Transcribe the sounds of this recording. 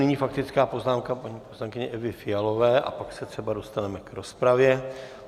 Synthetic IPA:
nɪɲiːfakt̪ɪt͡skaːpo̞znaːmkapaɲiːposlaŋkɪɲɛʔɛvɪfɪjalo̞vɛːʔa̰paksɛt̪r̥ɛbado̞st̪anɛmɛkɾo̞spɾavjɛ

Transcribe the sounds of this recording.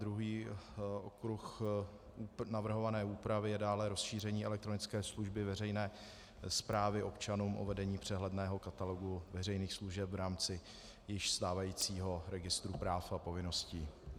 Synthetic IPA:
d̪ɾuɦiː | okɾux | unavr̩ɦo̞vanɛːʔuːpɾavɪjɛdaːlɛɾo̞sʃiːr̝ɛɲiːɛlɛk̚t̪ɾo̞nɪt͡skɛːsluʒbɪvɛr̝ɛjnɛː | spɾaːvɪʔo̞pt͡ʃanuːmʔo̞̰vɛdɛɲiːpr̝̥ɛɦlɛdnɛːɦo̞kat̪alo̞ɡuvɛrɛjniːxsluʒɛpvɾaːmt͡sɪ | jɪʃst̪aːvajiːt͡siːɦo̞ɾɛɡɪst̪ɾupɾaːfapo̞vɪno̞sciː

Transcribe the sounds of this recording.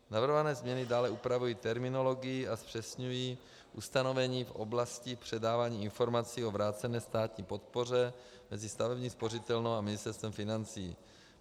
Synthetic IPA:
navr̩ɦovanɛːzmɲɛnɪdaːlɛʔupɾavujiːt̪ɛɾmɪno̞lo̞ɡɪjɪaspr̥ɛsɲujiː | ʔust̪ano̞vɛɲiːfʔo̰blascipr̥ɛdaːvaːɲiːɪnfo̞ɾmat͡siːo̞vɾaːt͡sɛnɛːst̪aːt̪ɲiːpo̞t̪̚po̞r̝ɛ | mɛzɪst̪avɛbɲiːspo̞rɪt̪ɛlnowamɪnɪst̪ɛɾst̪vɛmfɪnant͡siː

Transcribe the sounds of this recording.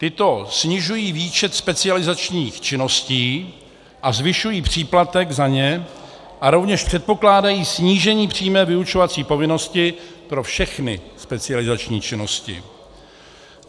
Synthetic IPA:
t̪ɪt̪o̞sɲɪʒujiːviːt͡ʃɛt̪spɛt͡sɪalɪzat͡ʃɲiːxt͡ʃɪno̞sciː | ʔazvɪʃujiːpr̝̥iːplat̪ɛɡzaɲɛ | ʔaɾo̞vɲɛʃpr̥ɛt̪̚po̞klaːdajiːsɲiːʒɛɲiːpr̝̥iːmɛːvɪut͡ʃo̞vat͡siːpo̞vɪno̞scɪpɾo̞fʃɛxnɪ̰spɛt͡sɪalɪzat͡ʃɲḭːt͡ʃɪno̞scɪ̰

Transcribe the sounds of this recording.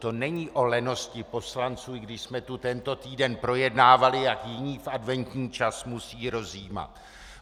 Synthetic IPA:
t̪o̞nɛɲiːʔo̞lɛno̞scɪpo̞slant͡suːɡdɪʃsmɛt̪ut̪ɛnt̪o̞t̪iːdɛnpɾo̞jɛdnaːvalɪjakjɪɲiːfʔadvɛnt̪ɲiːt͡ʃasmusiːɾo̞ziːma̰t̪

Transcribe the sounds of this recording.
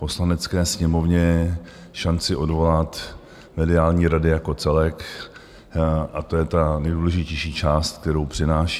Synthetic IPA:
po̞slanɛt͡skɛːsɲɛmo̞vɲɛ | ʃant͡sɪʔo̞dvo̞lat̪ | mɛdɪaːlɲiːɾadɪjako̞t͡sɛlɛk | ʔat̪ojɛt̪anɛjduːlɛʒɪcɛjʃiːt͡ʃaːst̪̚k̚t̪ɛɾowpr̝̥ɪnaːʃi̥ː

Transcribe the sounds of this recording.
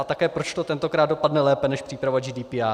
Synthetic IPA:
at̪akɛːpɾot͡ʃt̪ot̪ɛnt̪o̞kɾaːd̪dopadnɛlɛːpɛnɛʃpr̥iːpɾavad͡ʒiːdiːpiːa

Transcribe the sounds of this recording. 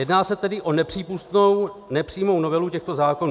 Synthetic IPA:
jɛdnaːsɛt̪ɛdɪʔo̞nɛpr̝̥iːpust̪nownɛpr̥iːmo̞wnovɛlucɛxt̪o̞zaːko̞nu

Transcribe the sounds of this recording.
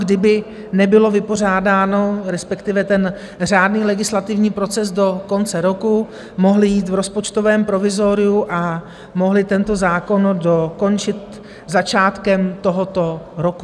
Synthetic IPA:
ɡdɪbɪ | nɛbɪlo̞vɪpo̞r̝aːdaːno̞ɾɛspɛkt̪ɪvɛt̪ɛn | r̝aːdniːlɛɡɪslat̪ɪvɲiːpɾo̞t͡sɛsdo̞ko̞nt͡sɛɾo̞ku | mo̞ɦlɪjiːt̪vɾo̞spot͡ʃt̪o̞vɛːmpɾo̞vɪzo̞ɾɪuʔa | mo̞ɦlɪt̪ɛnt̪o̞zaːko̞ndo̞ko̞nt͡ʃɪt̪ | zat͡ʃaːt̪kɛmt̪o̞ɦo̞t̪o̞ɾoku

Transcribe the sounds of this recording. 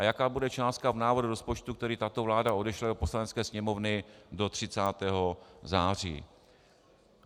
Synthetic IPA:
ʔajakaːbudɛt͡ʃaːst̪kavnaːvoduɾospo̞t͡ʃt̪ukt̪ɛɾiːt̪at̪o̞vlaːdao̞dɛʃlado̞po̞slanɛt͡skɛːsɲɛmo̞vnɪdo̞t̪r̝̥ɪt͡saːt̪ɛːɦo̞zaːr̝ḭː

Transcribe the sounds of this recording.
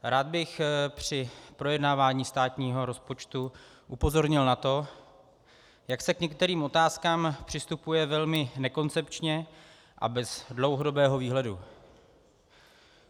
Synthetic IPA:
ɾaːd̪̚bɪxpr̝̥ɪpɾo̞jɛdnaːvaːɲiːst̪aːt̪ɲiːɦo̞ɾo̞spo̞t͡ʃt̪u | ʔupo̞zo̞ɾɲɪlnat̪o̞ | jaksɛkɲɛk̚t̪ɛɾiːmʔo̞t̪aːskaːmpr̝̥ɪst̪upujɛvɛlmɪnɛko̞nt͡sɛpt͡ʃɲɛ | ʔa̰bɛzdlowɦodo̞bɛːɦo̞viːɦlɛdu

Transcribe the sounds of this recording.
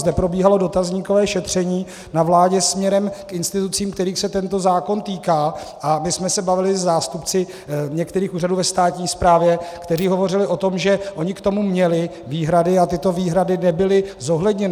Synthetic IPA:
zdɛpɾo̞biːɦalo̞do̞t̪azɲikovɛːʃɛt̪r̝̥ɛɲiː | navlaːɟɛsmɲɛɾɛmkʔɪnst̪ɪt̪ut͡siːmkt̪ɛɾiːxsɛt̪ɛnt̪o̞zaːko̞nt̪iːkaː | ʔamɪsmɛsɛbavɪlɪzzaːst̪upt͡sɪ | ɲɛkt̪ɛɾiːxuːraduːvɛst̪aːt̪ɲiːspɾaːvjɛkt̪ɛriːɦo̞vo̞rɪlɪʔo̞t̪o̞mʒɛʔo̞ɲɪkt̪o̞mumɲɛlɪ | viːɦɾadɪat̪ɪt̪o̞viːɦɾadɪnɛbɪlɪzo̞ɦlɛdɲɛnɪ

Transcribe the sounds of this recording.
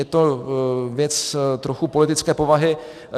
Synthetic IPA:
ɛt̪ovjɛt͡st̪ɾo̞xupolɪt̪ɪt͡skɛːpo̞vaɦɪ

